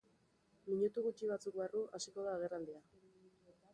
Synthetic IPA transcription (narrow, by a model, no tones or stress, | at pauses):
miɲut̪uɣut͡ʃiβ̞at͡suk̚baruʔasiko̞ðaːɣ̞e̞rald̪ia